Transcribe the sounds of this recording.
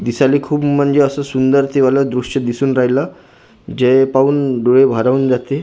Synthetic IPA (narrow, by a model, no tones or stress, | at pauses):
d̪isaliːkʰuːbm̤əɳd͡zeəsəsund̪əɾt̪iʋaləd̪ɾuʂəd̪isuːnɾaɦilə | d͡ʑepauːnɖoɭebʱəɾaʋuːnd͡zat̪e